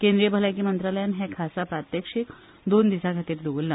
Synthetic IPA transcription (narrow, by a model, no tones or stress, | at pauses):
kẽnd̪ɾijəbʱəlak̬iːmənt̪ɾaləjanɦɛ̃kʰasapɾat̪jəkʂiːk | d̪ond̪isaɡʱat̪iːɾd̪oʋolːa